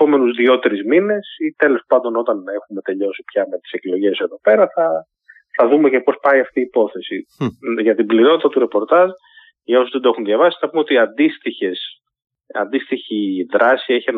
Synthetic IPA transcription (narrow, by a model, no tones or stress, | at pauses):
po̞me̞nuzðio̞t̪eɾizmine̞sit̪e̞lo̞spɐnd̪o̞no̞t̪ɐne̞xume̞t̪e̞ʎo̞si̥pçɐme̞t̪i̥se̞klo̞ʝe̞se̞ðo̞pe̞ɾɐθɐ | θɐðume̞ce̞po̞spɐiɐft̪iːpo̞θe̞siʝɐt̪ibliɾo̞t̪it̪ɐt̪uɾe̞po̞ɾt̪ɐʒ | ʝɐo̞suzðe̞nd̪oexunðʝɐvɐsi̥nɐpumeo̞t̪iɐnd̪ist̪içes | ɐ̰nd̪ist̪içiðɾɐsie̞çien